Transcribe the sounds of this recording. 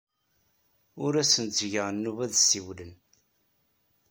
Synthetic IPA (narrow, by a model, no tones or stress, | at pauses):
ʊɾæsənt͡s̪ːʝəʁnːuvæðsiwlən